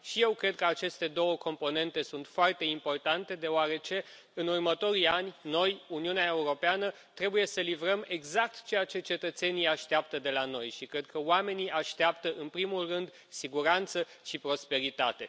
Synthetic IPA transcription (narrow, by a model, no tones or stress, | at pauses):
ʃije̞wkɾe̞d̪̚kəat͡ʃe̞st̪e̞d̪o̞wəko̞mpo̞ne̞nt̪e̞sunt̪foart̪e̞impo̞rt̪ant̪e̞d̪e̞oaɾe̞t͡ʃe̞ | ɨnurmət̪o̞ɾianʲno̞juniuneaeuɾo̞peanə | t̪ɾe̞buje̞səlivɾəme̞ɡzak̚t̪t͡ʃe̞jat͡ʃe̞t͡ʃe̞t̪ət̪se̞nijaʃt̪eap̚t̪əd̪e̞lano̞jʃikɾe̞d̪̚kəoame̞niʔaʃt̪eapt̪əʔɨnpɾimulrɨnd̪ | siɡuɾant̪sə | ʃipɾo̞spe̞ɾit̪at̪e̞